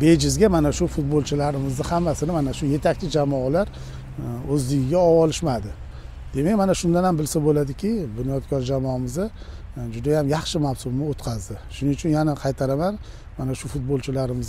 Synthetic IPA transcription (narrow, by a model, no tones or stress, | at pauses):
be̞d͡ʒɪzɡʲamanaʃʊfʊt̪̚bolˠt͡ʃʰɪlaɾɪmɪzd̪ɪhamːasɪnɪmanaʃʊje̞t̪ʰak̚ʲt͡ʃʰɪd͡ʒamɒalaɾ | ɵzd̪ɪɡʲɪɡʲaɒwɒlɪʃmad̪ɪ | d̪̥e̞mek̚ʲmanaʃʊnd̪anhambɪlsabolad̪ɪkʲɪbɪnɒjɒt̪kʰɒɾd͡ʒamɒmɪzd̪a | d͡ʒʊd̪ajamjɑχʃɪmawsʊmnɪot̪qʰɑzd̪ɪʃʊnɪʊt͡ʃʰʊnjanaqʰɑjt̪ʰaɾaman | manaʃʊfʊt̪̚bolˠt͡ʃʰɪlaɾɪmɪz